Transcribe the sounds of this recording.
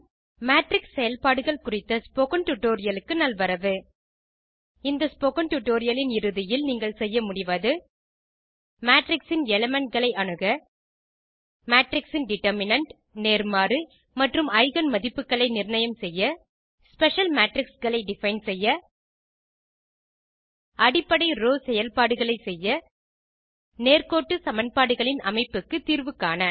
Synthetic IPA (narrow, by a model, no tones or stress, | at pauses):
maːʈrɪksːɛjɐlpaːɽɯɣɐɭkʊrɪt̪ːɐspoːkɐnʈʊʈːoːɾɪjɐlɯkːɯnɐlʋɐɾɐʋɯ | ɪnd̪ɐspoːkɐnʈʊʈːoːɾɪjɐlɪnɪɾɯðɪjɪlniːŋɡɐɭsɛjːɐmʊɽɪʋaðɯ | maːʈrɪksɪnɛlɐmɛɳʈ̚ɣɐɭɐɪʔɐɳɯɣɐ | maːʈɾɪksɪnɖɪʈːɐɾmɪnɐɳʈ | neːɾmaːɾɯ | mɐʈrɯmɐɪɣɐnmɐðɪpːɯkːɐɭɐɪnɪɾnɐjɐmsɛjːɐ | spɛʂɐlmaːʈrɪksɣɐɭɐɪɖɪfɐɪnsɛjːɐ | ʔɐɽɪpːɐɽɐɪɾoːsɛjɐlpaːɽɯɣɐɭɐɪsɛjːɐ | neːrkoːʈːɯsɐmɐnpaːɽɯɣɐɭɪnɐmɐɪpːɯkːɯt̪ːiːrʋɯkːaːnɐ